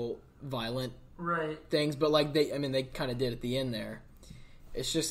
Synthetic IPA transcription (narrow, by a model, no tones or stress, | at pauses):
l̩ˠ | vaɪlˠə̃n | ɹaɪt̚θɪ̃ŋzbʌt̚ˡlaɪk̚ðeɪʔaɪmĩnðeɪkʰãɪ̃ndɨdɨɾɨt̪̚ðiɛ̃nðə˞ | ʔɨtsd̥ʒ̥ʌs